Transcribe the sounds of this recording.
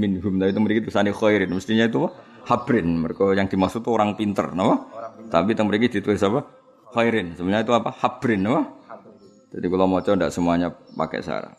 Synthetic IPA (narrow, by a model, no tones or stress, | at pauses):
mɪnɦʊmt̪apit̪əŋməɾiɡit̪̚isanixɔiɾɪnməst̪iɲait̪upa | habɾɪnməɾekojaŋdimasʊk̚t̪uoɾaŋpint̪ə̰rnapat̪apit̪əŋməɾiɡidit̪uesapa | hɔiɾɪnsəbəɲait̪uapahab̥ɾɪnːapa | d͡ʒadikulamot͡ʃɔndaʔsəmuaɲapa̰kɛ̰sa̰ɾa̰